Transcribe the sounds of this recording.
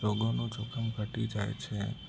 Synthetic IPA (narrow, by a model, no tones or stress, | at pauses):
oɡonũt͡ʃɔkʰəmɡʱəʈid͡ʒajt͡ʃʰe